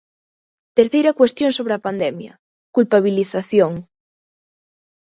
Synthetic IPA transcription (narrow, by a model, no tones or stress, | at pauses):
t̪eɾθejɾakwest̪jonsoβ̞ɾeapand̪emjɐ̰ | kulpaβ̞iliθaθjoŋ